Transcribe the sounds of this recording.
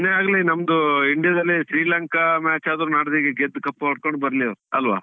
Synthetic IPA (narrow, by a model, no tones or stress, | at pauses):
nːeaːɡɐlinɐmd̪uiɳɖijɐd̪ɐlːiʃɾiːlɐŋkɐmaːt͡ʃaːd̪ɾunaːɽɐd̪iɡeɡed̪ːkɐpːɐɐɽ̚koɳɖbɐɾɐliɐʋɾuɐlʋa̰ː